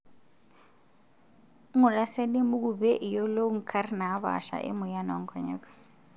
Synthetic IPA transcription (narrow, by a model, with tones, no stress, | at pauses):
ŋʊ˨la˦sɛ˦le˦mʊ˦k̬u˦bɛ˦ʔi˨jɔ˦lo˦ŋ̩˨kʰa˦ri˦na˨˦βa̰˨ʃa̰˨ʔɪ̰˦mʊ˨ja˦nɔ˨ŋ̩˦kʰɔ˨ɲɛ̰˦kɔ̥˦